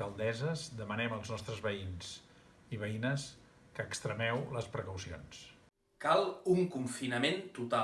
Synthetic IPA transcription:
əlˠd̪ɛzəzd̪əmənɛməlˠznɔst̪ɾəzβəinz | iβəinəs | kəːkst̪ɾəmɛwləspɾəkəwsio̰ns | kalˠuŋkuɱfinəment̪ut̪a

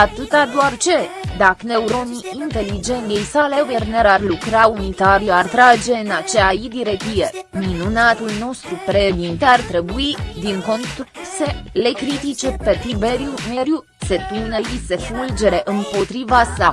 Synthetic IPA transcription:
at̪ɨt̪ad̪oart͡ʃe̞d̪akne̞uɾo̞niːnt̪e̞lid͡ʒe̞nt̪jejsaleujerneɾarlukɾaunit̪aɾiart̪ɾad͡ʒe̞ɨnat͡ʃeaid̪iɾet̪ijeminunat̪ulno̞st̪ɾupɾed̪int̪eart̪ɾe̞buid̪iŋko̞nt̪ksele̞kɾit̪it͡ʃe̞pe̞t̪ɾibe̞ɾijumeɾju | se̞pune̞ise̞fuld͡ʒe̞ɾe̞ʔɨmpot̪ɾivasa

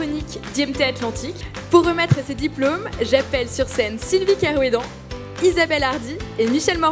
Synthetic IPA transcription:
ɔnikd̪iɛmt̪eat̪lɑ̃t̪ʰikpuʁːəmɛt̪χəsed̪iplomʒapɛlsyʁsɛnsilvikaʁwed̪ɑ̃ | izabɛlaʁd̪iemiʃɛlmɔ

